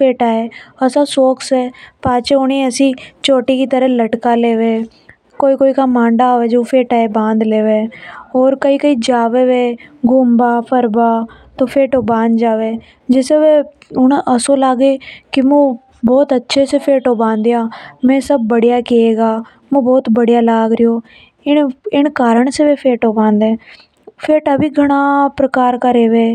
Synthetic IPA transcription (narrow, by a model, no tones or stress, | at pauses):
pʰeːʈaːeːəsaːsoːksɛːpaːt͡ʃeːʊnẽːəsĩːt͡ʃoːʈiːkiːt̪əɾə̃ːləʈkaːleːʋeː | koːiːkoːiːkaːmãːɳɖaːʋed͡ʒoːpʰeːʈaːebãːnd̪leːʋeːɔːɾkəiːkəiːd͡ʒaːʋeːʋeːɡʊmbaːpʰəɾbaː | t̪oːpʰeːʈoːbãːnd̪d͡ʒaːʋeː | d͡ʒɪseʋeː | ʊɳʔəsõːlaːɡeːkɪmũː | bɔːt̪ətːʃʰeːsepʰeːʈoːbãːnd̪jaːmɛ̃ːsəb̚ːəɽijaːkeeːɡaː | mũːbɔːt̪bəɽɪjaːlaːɡɾɪjoː | ɪnɪɳkaːɾəɳ̃seʋeːpʰeːʈoːbãːnd̪ɛ̃ː | pʰeːʈaːbʱiːɡʱəɽ̃aːpɾəkaːɾkaɾeːʋeː